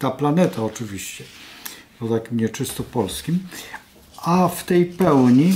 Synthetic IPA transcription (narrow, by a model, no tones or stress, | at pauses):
t̪aplanɛt̪aɔt͡ʂɘvʲiɕt͡ɕɛpɔt̪akʲimɲɛt͡ʂɘst̪ɔpɔlskʲim | aft̪ɛjpɛwɲi